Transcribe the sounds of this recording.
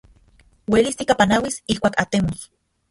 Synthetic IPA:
welist̪ikapanawisihkʷaːkat̪emos

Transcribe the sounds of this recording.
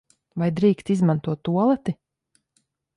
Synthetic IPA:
vajd̪ɾiːkt̪izmant̪uɔt̪ːuɔlˠɛt̪i

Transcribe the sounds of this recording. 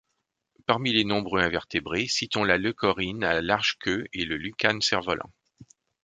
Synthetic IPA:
paʁmilenɔ̃bʁøɛ̃vɛʁt̪ebʁesit̪ɔ̃laləkɔʁinalaʁʒkʰʲøeləlykansɛʁvɔlʔɑ̰̃

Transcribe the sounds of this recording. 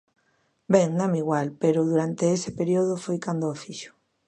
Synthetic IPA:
bɛŋnãmiɣwalpeɾʊðuɾant̪eesepeɾioð̞ʊfojkand̪oafiʃʊ̥

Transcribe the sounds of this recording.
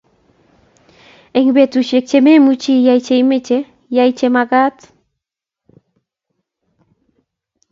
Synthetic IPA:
eŋbet̪uʃek̚t͡ʃememut͡ʃijajt͡ʃejmet͡ʃe | jajt͡ʃemaɡat̪

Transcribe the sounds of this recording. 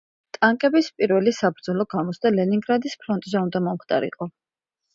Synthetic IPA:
t̪ʼaŋkʼɛbispʼiɾvɛlisabɾd̪zɔlˠɔɡamɔsd̪alɛniŋɡɾad̪ispʰɾɔnt̪ʼzɛund̪amɔmχt̪ʼa̰ɾḭqʼɔ

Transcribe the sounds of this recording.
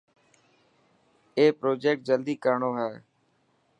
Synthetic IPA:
eːpɾoːd͡ʒeːk̚ʈ̚d͡ʒəld̪iːkəɾɳoːɦɛː

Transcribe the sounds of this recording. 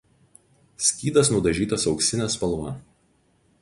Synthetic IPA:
sʲkʲiːd̪ɐsnʊd̪ɐʒʲiːt̪ɐsɒʊksʲɪnʲæspɐlˠˑʋɐ

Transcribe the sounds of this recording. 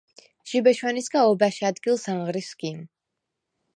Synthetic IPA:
ʒ̥ibɛʃwɛnisɡaɔbaʃiad̪ɡilˠsaŋʁɾisɡim

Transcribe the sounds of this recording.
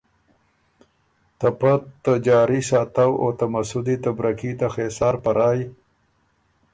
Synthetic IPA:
t̪apat̪ːad͡ʒɑːɾisɑːt̪awo̰t̪amasud̪it̪abɾakit̪axesɑːɾpaɾɑːj

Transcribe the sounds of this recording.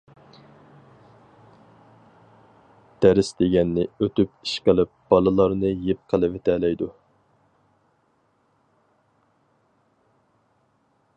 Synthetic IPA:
d̪̥æɾɪsd̪eɡʲɛnːɪøt̪ypi̥ʃqəlˠɪp̚b̥ɑlˠɨlˠɑɾnɨjep̚qʰəlˠɨvet̪ʰɛlɛjd̪u

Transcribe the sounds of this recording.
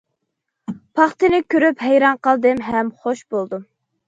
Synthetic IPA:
pʰɑχt̪ɨnɪkʲʰøɾyphɛjɾɑnqɑlˠd̪ɨmɦɛmχoʃbolˠd̪u

